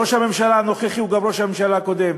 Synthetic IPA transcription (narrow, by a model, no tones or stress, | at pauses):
oʃhame̞mʃalano̞χeχiuɡamʁo̞ʃhamemʃalaːko̞d̪em